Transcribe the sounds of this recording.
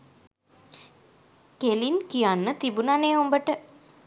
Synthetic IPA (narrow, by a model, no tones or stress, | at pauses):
kelinkijanːət̪ibunaneːombəʈə